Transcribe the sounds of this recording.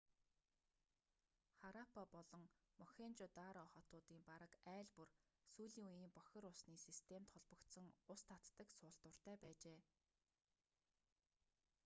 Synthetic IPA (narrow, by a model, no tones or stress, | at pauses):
χaɾapʰapɔɮɞ̆ŋmɔxʲent͡ɕʊt̪aːɾɔχɔt̪ʊːt̪iːmpaɾə̆kæːɮpur | suːɮiːŋujiːmpɔxʲɪ̆ɾʊsniːsist̪ʰem̥t̪χɔɮpə̆kt̪sə̆ŋʊst̪ʰat̪ːə̆ksʊːɬt̪ʊ̆r̥t̪æːpæːt͡ɕeː